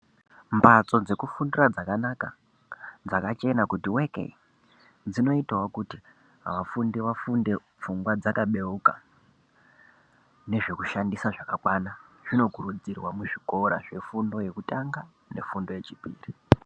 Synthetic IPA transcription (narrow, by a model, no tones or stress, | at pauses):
mpʰat͡so̞d͡ze̞kufundurad͡zakanaka | d͡zakat͡ʃe̞nakutiwekḛi | d͡zino̞itawakuti | ɦa̰ʋafundiʋafunde̞ | p͡fuŋɡwad͡zakaɓe̞uka | ne̞ʐe̞kuʃandisaʐakakwanaʐino̞ɡʱuɾud͡zirwamuʐiko̞ɾa̰ʐe̞fundo̞je̞kutaŋɡa | ne̞̰fundo̞je̞t͡ʃipḭːri